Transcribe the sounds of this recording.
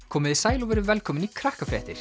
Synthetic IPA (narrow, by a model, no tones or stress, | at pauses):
kʰɔːmɪðɪsaːjlɔvɛɾʏvɛlkʰɔːmɪnikʰɾahkafɛːht̪ɪɾ̥